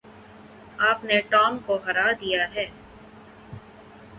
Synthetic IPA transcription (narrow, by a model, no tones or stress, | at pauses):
aːpneʈɔːmkoɦɐɾaːd̪ijaɦɛː